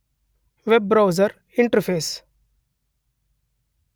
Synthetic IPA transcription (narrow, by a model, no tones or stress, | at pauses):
ʋeb̚ːɾaʊzəɾ | ɪ̃ɳʈəɾpʰeːs